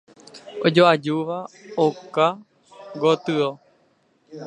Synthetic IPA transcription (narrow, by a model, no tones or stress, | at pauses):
od͡ʒoʔad͡ʒuʋaoka | ɡot̪ɨo